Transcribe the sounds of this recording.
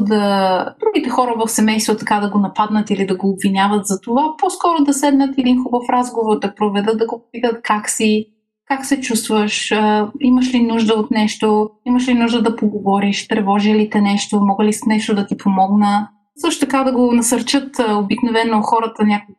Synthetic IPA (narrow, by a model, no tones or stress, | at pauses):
d̪əd̪ɾuɡit̪ɛxɔɾəvɐfsɛmɛjst̪vot̪ɐkad̪ɐɡonɐpad̪nət̪ilid̪ɐɡoːbvinʲjavət̪zɐt̪ovapɔskɔɾod̪ɐsɛd̪nət̪ɛd̪inxubəfɾazɡovoɾd̪ɐpɾovɛd̪ɤt̪̚d̪ɐɡopopit̪ət̪̚kaksi | kaksɛt͡ʃust̪vəʃəiməʃlinuʒd̪əot̪nɛʃt̪oiməʃlinuʒd̪əd̪ɐpoɡovɔɾiʃt̪ɾɛvɔʒilit̪ɛnɛʃt̪omɔɡəlisnɛʃt̪od̪ɐt̪ipʰomɔɡnə | sɤʃt̪o̥t̪ɐkad̪ɐɡonɐsɐɾt͡ʃɤt̪obiknovɛnoxɔɾət̪ənʲakʊ